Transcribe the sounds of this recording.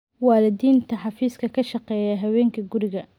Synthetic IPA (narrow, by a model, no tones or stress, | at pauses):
wɑːlɪd̪iːnt̪ʰɐħɑfiːskʰɐkʰɐʃɑqɛːjɐɦɐwɛːŋkʰɐɡʊɾɪɣɐ